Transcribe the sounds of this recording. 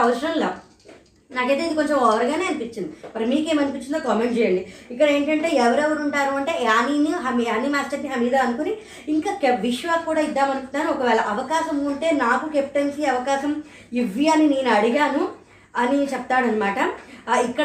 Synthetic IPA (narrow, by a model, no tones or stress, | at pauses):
ɐʋɐʃɐɾɐnloː | naːke̞ːd̪eindiko̞ɲt͡ʃemɔːʋɐɾɐɡaːne̞ːɐnipit͡ʃːind̪ibɐɾmiːkeːmɐnipiɲt͡ʃːind̪oːkɐmeɳʈt͡ʃɛːjɐɳɖiikːɐɽɐe̞ːɳʈɐɳʈe̞ːɛʋɐɾɛʋɐɾuɳʈaːɾuːɐɳʈe̞ːaːniːniɦɐmaːnimaːsʈɐɾkiɦɐmiːd̪aːɐnukuni | iŋkaːkeʋiʂʋaːkːuːɽaːid̪ːaːmɐnukunːaːnuɔkɐʋɛːɭɐʔɐʋɐkaːʃɐmːɳʈe̞ːnaːkukep̚ʈɐnsiɐʋɐkaːʃɐm | iʋːiɐnineːnuɐɽiɡaːnu | ɐnit͡ʃɛpɐt̪aːɽɐnːɐmaːʈɐikːɐ